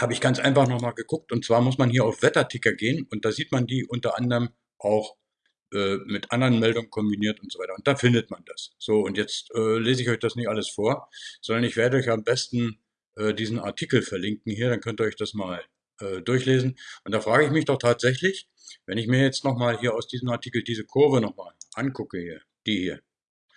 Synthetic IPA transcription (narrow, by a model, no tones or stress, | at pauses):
haːbəɪçɡ̥ant͡sʔaɪnfaχnɔχmaːlɡəkʊk̚tʊnt̚t͡sv̥aːɐmʊsmanhiːɐaʊfv̥ɛtɐtʰɪkɐɡeːənʊntd̥aːziːtmandiːʔʊntɐʔandʁm | ʔaʊx | ʔɛːmɪtʔandəʁənmɛldʊŋənkʰɔmbiniːɐtʊntzovaɪɐʊntd̥aːfɪndətmandasz̥oːʊntjɛt͡stʔɛːleːzəɪçɔʏçd̥asnɪçtʔaləsfoːɐz̥ɔndɐnɪçv̥eːɐdəɔʏçaambɛstn̩ | ʔɛːdiːzn̩a̰ɐtʰiːkl̩fɛɐlɪŋkŋ̩hiːɐɾankʰœntəɔɪçd̥asmaːl | ʔɛːdʊɐçleːzn̩ʔʊnt̚d̥aːfʁ̥aːɡəɪçmɪçd̥ɔχtʰaːtz̥ɛçlɪç | vɛnɪçmiːɐjɛt͡stnɔχmaːlɦiːɐaʊsd̥iːzəmaɐtʰiːkl̩diːzəkʰʊɐvənɔχmaːlʔankʰʊkəhiːɐ | d̥iːhiːɐ